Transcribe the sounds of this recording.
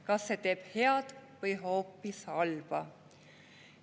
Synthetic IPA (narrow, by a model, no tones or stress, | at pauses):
kɑsːe̞t̪e̞ːb̥heɑd̪̥vɤjɦo̞ːpːisɑlb̥ɑ